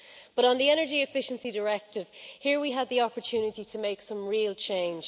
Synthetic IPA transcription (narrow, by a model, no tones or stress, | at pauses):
b̥ʌɾn̩ðiɛñə˞d͡ʒiɪfɪʃə̃nsidə˞ɛk̚tɪv̥hiːɹwiəd̪̚ðiɑpə˞tʰʉːnɪtitʰəmeɪksʌ̃mɹiːlˠt͡ʃʰẽɪ̃nd͡ʒ